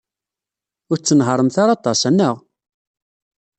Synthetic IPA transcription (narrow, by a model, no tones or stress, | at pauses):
ʊɾt͡sːənɦəɾˤəmθaɾɑt̪ˤɑsænːəʁ